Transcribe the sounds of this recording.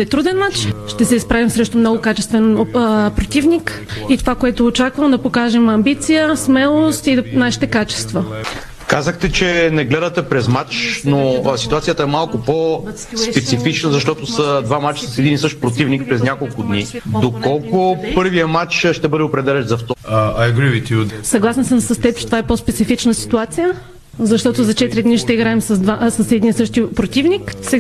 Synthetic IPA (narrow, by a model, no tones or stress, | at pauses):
ɛt̪ɾud̪ɛnmat͡ʃʃt̪ɛsɛispɾavimsɾɛʃt̪omnɔɡʊkat͡ʃɛst̪vɛnpɾot̪ivnik | it̪ovakoɛt̪oːt͡ʃakvəmd̪ɐpokaʒɛmɐmbit̪sijəsmɛlˠost̪inaʃi̥t̪ɛkat͡ʃɛ̥st̪və | kazəxt̪ɛt͡ʃɛnɛɡlɛd̪ɐt̪ɛpɾɛzmat͡ʃnosit̪uat̪ijət̪əɛmalˠkʊpo | spɛt̪sifit͡ʃnəzɐʃt̪ɔt̪ʊsəd̪vamat͡ʃsɐsɛd̪inisɤʃt̪pɾot̪ivnik̚pɾɛznʲakolˠkʊd̪nid̪okɔlˠkʊpɤɾvijəmat͡ʃʃt̪ɛbɤd̪ɛopɾɛd̪ɛlɛnzɐft̪ajɐɡɾiwit̪jusɐɡlˠasɛnsəmsɐst̪ɛt͡ʃt̪ovaɛpospɛt̪sifit͡ʃnəsi̥t̪uat̪sijə | zɐʃt̪ɔt̪ʊzɐt͡ʃɛt̪ɾid̪niʃt̪ɛiɡɾaɛmsɐzd̪asɐsɛd̪insɤʃt̪ipɾot̪ivniksɛ